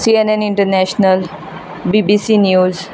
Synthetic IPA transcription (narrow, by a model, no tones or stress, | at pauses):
sienẽnɪ̃ɳʈəɾnɛʃnəl | bibisiːnjuːz